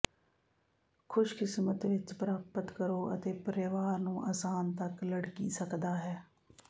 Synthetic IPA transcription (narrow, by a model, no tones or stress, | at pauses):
kʰʊʃkɪsmət̪ʋɪt͡ʃbəɾaːpːət̪kəɾoːə̰t̪eːpəɾeʋaːɾnũːʔaːsaːnt̪əkləɽkḭːsəkd̪aːɦɛː